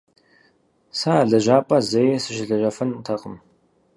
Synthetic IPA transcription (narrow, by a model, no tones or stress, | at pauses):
saːɮɐʒaːpʼɐzɐjɛsɨʃɪɮɐʒɐfɐntʰɐqʼəm